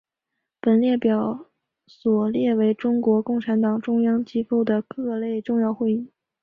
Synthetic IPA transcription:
pə˨˩nljɛ˥˩pjɑ˨˩ʊ | swɔ˨˩ljɛ˥˩we˧˥ɪʈ͡ʂʊ˥ŋkwɔ˧˥kʊ˥˩ŋʈ͡ʂʰa˧˥nt̪ɑ˨˩ŋʈ͡ʂʊ˥ŋjɑ˥ŋt͡ɕi˥fo˥˩ʊd̪ə˩kɤ˥˧le˥˧ɪʈ͡ʂʊ˥˧ŋjɑ˥˧ʊxwe˥˧ɪi˥˩

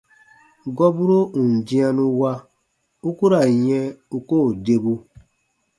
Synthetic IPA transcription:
ɡɔ˦bu˦ɾo˦ũ˨n˨d͡ʒi˦ã˦nũ˦wa˦ | u˦ku˦ɾa˨jɛ̃˦u˦ko˦˨de˦bu˦

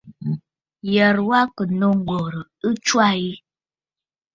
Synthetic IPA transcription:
jə˨ɾwa˦kə˨no˦ŋ˦ɡo˨ɾə˨ə˦t͡ʃwa˦i˦

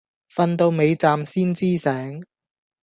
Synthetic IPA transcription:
fɐ˧nt̪o˧wme˨˧jt͡saː˧msiː˥nt͡siː˥sɛː˨˥ŋ

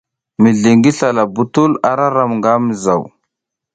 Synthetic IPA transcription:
mi˨ɮi˨ŋɡi˦ɬa˨la˨bu˨tu˦la˨ɾa˦ɾa˨mŋɡa˦mi˨za˨w

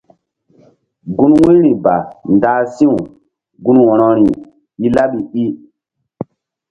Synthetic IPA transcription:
ɡu˦nwũ˦ɾi˨ba˨nda˦sĩ˦ũ˨ | ɡu˦nwɔ̃˨ɾɔ˦ɾi˨ | i˦la˦ɓi˨i˦

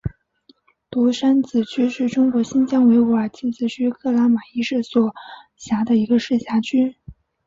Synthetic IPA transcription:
t̪u˧˥ʂa˥nt͡sɹ̩˨˩t͡ɕʰy˥ʂɻ̩˥˩ʈ͡ʂʊ˥ŋkwɔ˧˥ɕi˥nt͡ɕjɑ˥ŋwe˧˥ɪwa˨˩t͡ɕi˥˩t͡sɹ̩˨˩t͡ɕʰy˥kʰɤ˥˩la˧˥ma˨˩i˥ʂ̩˥˩swɔ˨˩ | ɕja˧˥d̪ə˧i˧˥ɡə˧ʂɻ̩˥˩ɕja˧˥t͡ɕʰy˥

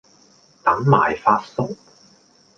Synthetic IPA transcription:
t̪ɐ˨˥ŋma̰ː˨˩jfaː˧t̚sʊ˥k̚

